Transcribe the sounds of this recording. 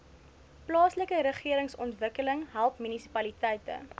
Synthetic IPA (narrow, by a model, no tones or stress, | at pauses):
plɑːsləkəɾəχiəɾəŋsɔntvəkələŋɦælˠpmynisi̥pɐlitɛjtə̰